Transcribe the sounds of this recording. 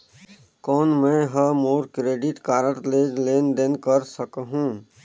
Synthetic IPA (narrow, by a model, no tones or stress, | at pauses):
kɔːnmɛ̃ɦəmoːɾkɾeːɖɪʈkaːɾəʈleːd͡ʒleːnd̪enkəɾsəkɦũ